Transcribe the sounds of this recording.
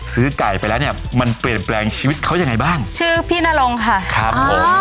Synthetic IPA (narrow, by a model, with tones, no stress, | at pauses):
sɯː˦˥ka˨˩jpa˧jlɛː˦˥wni˥˩ma˧npli˨˩ənplɛː˧ŋt͡ɕʰiː˧wi˦˥t̪̚kʰa˦˥wja˧ŋːa˧jbaː˥˩ŋt͡ɕʰɯː˥˩pʰiː˥˩na˥˩lo˧ŋkʰa˥˩kʰɾa˦˥pʰːo˨˦m